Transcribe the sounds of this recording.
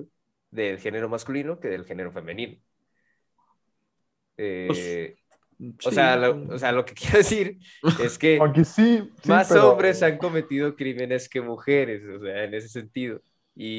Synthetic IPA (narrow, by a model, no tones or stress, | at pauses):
ðelxe̞ne̞ɾo̞maskulino̞ke̞ðe̞lxe̞ne̞ɾo̞fe̞mẽnĩno | e | osealoosealo̞ke̞kjeɾaðesiɾ | e̞ske̞akesismmaso̞mbɾe̞saŋko̞me̞t̪ið̞o̞kɾime̞ne̞ske̞muxe̞ɾe̞soseaene̞s̬ese̞nt̪iðo̞ | i